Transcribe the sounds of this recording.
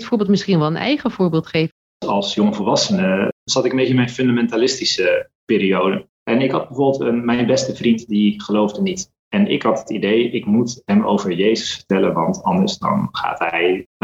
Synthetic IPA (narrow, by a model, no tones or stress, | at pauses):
tfʊːɹbɪːlˠt̚mɪsχinʋɛlˠənɛ̰jχəvʊːɹbɪːlˠtχejv | ɑlˠsjɔŋəvəɹʋɑsənəz̥ɑtɪkəmbejəɪnmɛjnfɵndamɛntaːlɪstisə | pɪːɾiowdə | ʔɛnɪkɦɑd̚bəvʊːbɪlˠtənmɛjnbɛstəvrintdiχəlowvdənit | ɛnɪ̰kɦɑtɦətidejʔɪkmutɦɛmo̰wvəɹjejzəsfə̥ɹtɛlənʋɑntɑndəɹsdɑ̰nχa̰ːtɦɛj